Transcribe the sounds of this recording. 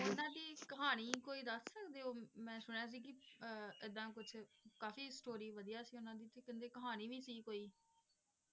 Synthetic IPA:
ɪd̪ãːd̪iːkəɦaːñiːkoːiːd̪əsːəkd̪eːoːmɛ̃ːsʊɳjaːs̬iːkɪɪd̪ãːkʊt͡ʃʰkaːfiːsʈoːɾiːʋəd̪ijaːsiːʊnãːd̪iːt̪eːkə̃nd̪eːkəɦaːñiːʋiːsiːkoːiː

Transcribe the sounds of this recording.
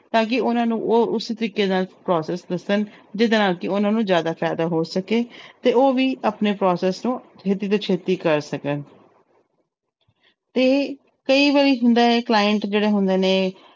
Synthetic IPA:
t̪ãːk̬ɪʊnãːnũːʔoːʊsiːt̪əɾiːkeːd̪aːlpɾɔːsɛːsd̪əsənd͡ʒɪd̪eːnaːlkɪʊnãːnũːzjaːd̪aːpʰɛːd̪aːɦoːsəkeːt̪eːoːʋiːapneːpɾɔːsɛːsnũːt͡ʃʰeːt̪iːt̪̬oːt͡ʃʰeːt̪iːkəɾsəkən | t̪eː | kəiːʋaːɾiːɦʊnd̪aːeːklaːjəɳʈd͡ʒeːɽeːɦʊnd̪eːneː

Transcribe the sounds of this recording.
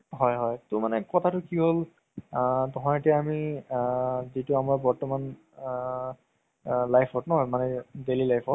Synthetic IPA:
ɦɔjɦɔjtʊmanɛkɔtʰatʊkiɦol | tɔɦɔ̃etiaami | zitʊamaɹbɔɹtɔman | lajpʰhɔtnɔɦɔjmanɛdelilajpʰɔ

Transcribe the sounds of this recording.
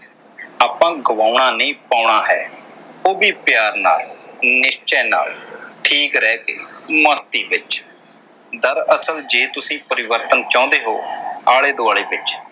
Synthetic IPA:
aːpãːɡəʋãːʊɳaːnẽːpaːɳaːɦɛːoːbiːpjaːɾna̰ːlnɪʃt͡ʃɛːna̰ːlʈʰiːkɾɛːkḛːmə̃ːst̪iːbɪt͡ʃ | d̪əɾəsəld͡ʒeːt̪ʊsĩːpəɾɪʋəɾt̪ənt͡ʃãːʊ̃nd̪eːɦoːaːɭeːd̪oːaːɭeːbɪt͡ʃ

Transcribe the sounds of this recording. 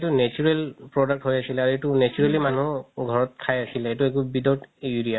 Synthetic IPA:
tunɛt͡ʃuɹelpɹɔdak̚ʈɦojasilaɹuetunɛt͡ʃuɹelimanuɡʱɔɹɔt̚kʰajasilɛetuek̬ubidɔtuɹia

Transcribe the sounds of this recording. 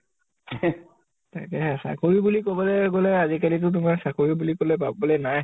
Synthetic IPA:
ta̰kɛɦɛsa̰koɹibulikobɔlɛɡolɛazikalit̬ʊt̬ʊmaɹsakuɹibulikolɛp̬abbɔlɛnaj

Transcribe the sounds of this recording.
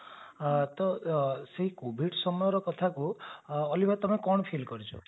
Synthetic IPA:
t̪ɔseɦikubʱiʈsɔmɔjɔɾɔkɔt̪ʰakuɔlipat̪ɔmekɔɽ̃pʰilkɔɾit͡ʃʰɔ̰

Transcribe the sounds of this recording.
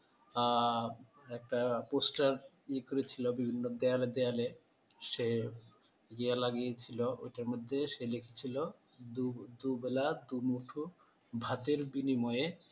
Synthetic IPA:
a | ɛk̚ʈaposʈaɾ | ekoɾet͡ɕʰilobibʱinːod̪ealed̪eale | ʃe | ɡijalaɡiet͡ɕʰiloʔojʈaɾmod̪ʱːeʃelekʰe̥t͡ɕʰilod̪ud̪ubelad̪umuʈʰu | bʱat̪eɾbinimɔje

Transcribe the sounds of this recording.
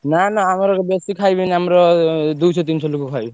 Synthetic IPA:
nanaamɾɔbesikʰajbiniamɾɔd̪ujsʰɔt̪insʰɔlokukʰajbi

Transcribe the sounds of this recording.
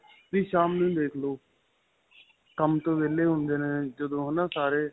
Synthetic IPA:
d̪iːʃaːmnũĩːd̪eːkʰloː | kəmt̪õːbeːleːɦʊ̃nd̪eːneːd͡ʒəd̪õːɦənãːsaːɾeː

